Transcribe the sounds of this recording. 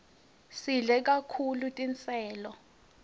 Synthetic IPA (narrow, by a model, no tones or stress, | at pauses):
siɮɛk̬ʼakʰulutʼint͡sʰʼɛːlɔ